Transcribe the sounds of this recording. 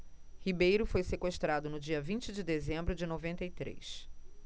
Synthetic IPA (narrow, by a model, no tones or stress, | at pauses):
hibejɾʊfojsekweʃt̪ɾad̪ʊnʊd͡ʒiɐvĩnt͡ʃɪd͡ʒɪd̪ezẽmbɾʊd͡ʒɪnovẽnt̪ɐit̪ɾḛjs